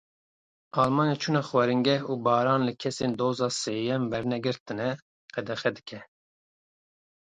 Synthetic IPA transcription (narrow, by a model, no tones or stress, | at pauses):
ɑːlmɑːnet͡ʃʰunɛxwɛɾɨŋɡɛhuːbɑːɾɑːnlɨkʰɛseːnd̪oːzɑːseːjɛmbɛɾnɛɡɨɾt̪ɨnɛ | qɛd̪ɛxɛd̪ɨkʰɛ